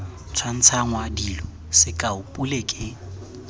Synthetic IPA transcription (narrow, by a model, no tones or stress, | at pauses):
t͡sʰwan̩t͡sʰaŋwadilɔ | sɪkʼaʊpʼulekʼɪ